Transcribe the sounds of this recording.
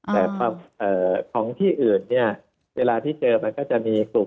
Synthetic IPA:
t̪ɛː˨˩kʰwaː˧mʔɤː˨˩kʰɔː˩˦ŋt̪ʰiː˥˩ʔɯː˨˩nːi˥˩ɐ | weː˧laː˧t̪ʰiː˥˩t͡ɕɤː˧ma˧nkɔː˥˩t͡ɕa˨˩miː˧su˨˩

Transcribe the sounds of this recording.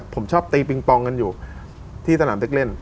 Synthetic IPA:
pʰo˩˦mt͡ɕʰɔː˥˩p̚t̪iː˧p̬i˧ŋpɔː˧ŋka˧njuː˨˩ | t̪ʰiː˥˩sʰa˧naː˩˦ne˦˥k̚le˥˩n

